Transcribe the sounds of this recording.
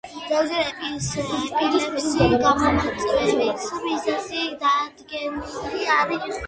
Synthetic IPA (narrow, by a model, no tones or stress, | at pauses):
zɛwd͡ʒɛɾɛbispʼiɾnɛpsiɡamɔmat̪sʼvɛlisbizɛsid̪ad̪ɡɛnuliaɾi